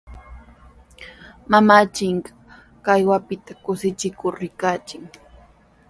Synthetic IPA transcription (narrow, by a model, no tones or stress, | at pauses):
mamaːt͡ʃɪŋɢɑ | kajwapɪt̪akʊsɪt͡ʃɪkʊɾːɪkat͡ʃɪŋ